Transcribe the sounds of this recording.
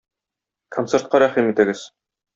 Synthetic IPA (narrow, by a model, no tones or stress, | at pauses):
kʰont̪seɾt̪̚qɑɾæχimit̪ɘ̆ɡɘz̥